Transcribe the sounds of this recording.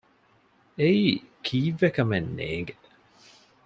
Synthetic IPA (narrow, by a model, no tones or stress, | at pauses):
ejkʰiːvɛkəmɛnːḛːɡ